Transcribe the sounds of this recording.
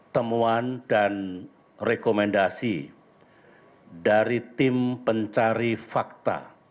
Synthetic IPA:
t̪əmuandan | rekomɛndasi | daɾit̪ɪmpəɲt͡ʃaɾifak̚t̪a̰

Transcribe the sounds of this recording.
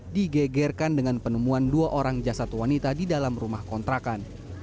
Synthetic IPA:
diɡɛɡɛrkandəŋanpənəmuanduaʔoɾaŋd͡ʒasat̪wanit̪adidalamrumahkɔnt̪ɾakan

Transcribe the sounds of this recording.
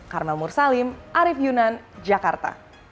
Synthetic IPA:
karmɛlmursalimʔaɾifjunan | d͡ʒakart̪a̰

